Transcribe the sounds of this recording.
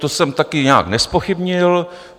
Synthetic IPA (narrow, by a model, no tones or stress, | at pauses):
t̪osɛmt̪akɪɲa̰ːknɛspo̞xɪbɲɪl